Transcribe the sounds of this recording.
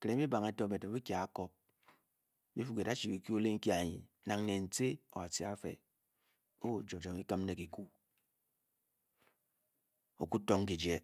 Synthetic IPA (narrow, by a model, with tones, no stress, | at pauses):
ke˨ɾe˨˦i˦ba˨ŋe˨˦to˦me˨to˨˦i˦kja˨a˦ko˦p̚ | bi˦fu˨ke˨da˦t͡ʃi˨bi˨ku˦o˦le˦ŋ̩˦ki˦a˨ɲḭ˨˦na˨ŋne˨n̩˨t͡se˦o̰˨a˨si˦a˦fḛ˨ | o˦wo˨d͡ʒo˨d͡ʒo˨ŋi˦ka˦m˦ne˨ki˨ku˦ | o˨ku˦to˦ŋ˦ki˨d͡ʒe˦